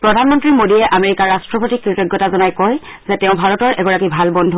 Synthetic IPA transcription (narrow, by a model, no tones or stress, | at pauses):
pɹɔdʱanmɔntɹimodiɛʔameɹikaɹastɹɔpotikːɹitɔɡjɔtazɔnajkɔj | zɛtɛʊ̃bʱaɹɔtɔɹʔɛɡɔɹakibʱalbɔndʱu